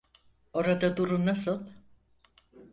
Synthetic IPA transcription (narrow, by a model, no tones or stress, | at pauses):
o̞ɾad̪ad̪uɾumnasɯlˠ